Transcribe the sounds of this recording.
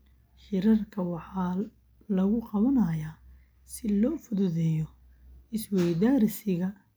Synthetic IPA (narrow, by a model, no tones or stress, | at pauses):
ħɪɾɐrkʰɐwɑħɑː | lɐɣʊqɑβɐnɐjaː | sɪlɔːfʊðʊðɛjɔ | ɪswɛjd̪aːɾɪsɪɣɐ